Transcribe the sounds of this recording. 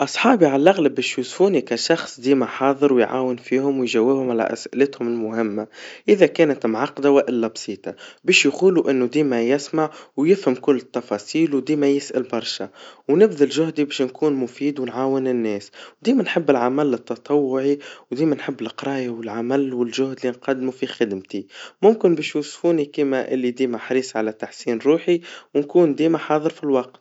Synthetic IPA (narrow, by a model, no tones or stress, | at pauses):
ʔɑsˤħɑːbiʕalʔaɣlabeːʃjuːsfuːnikaʃɑxsˤd̪iːmaħɑːðˤɨɾwɪjʕa̰ːwɪnfiːhʊmwɪjʒawːɪbhʊmʕala̰ʔæ̰sʔɪlɪt̪hʊmɪlmʊhɪmːaʔɪðakɛːnat̪mʕɑqd̪awaʔɪlːabsˤiːt̪ˤɑbeːʃjquːluʔɪnːʊd̪iːmajɪsmaʕwjɪfhamkʊlːɪt̪ːɑfɑːsˤiːlwd̪iːmajɪsʔalbɑɾˤʃawnɪbðɪlʒʊɦd̪ibeːʃnkʰuːnmʊfiːd̪wɪnʕaːwɪnɪnːɛːswd̪iːmænħɪbːɪlʕamalːɪt̪ːɑt̪ˤɑwːʊʕiwd̪iːmænħɪbːɪlqɾˤɑːjawɪlʕamalːwɪlʒʊhd̪linqad̪ːmufixɪd̪mt̪imʊmkɪnbiːʃjuːsˤfuːnikiːmaʔɪlːid̪iːmaħɾiːsˤʕalat̪ːaħsiːnɾˤuːħiwɪnkuːnd̪iːmaħɑːðˤɨɾfilwɑq̚t̪